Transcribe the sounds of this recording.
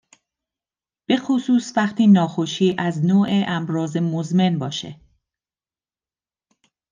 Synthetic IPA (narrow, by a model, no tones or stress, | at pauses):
b̥e̞xosuːsvæχt̪ʰiːnɒːxoʃiːʔæznoːʔeʔæmɾɒːze̞mozme̞nbɒːʃḛ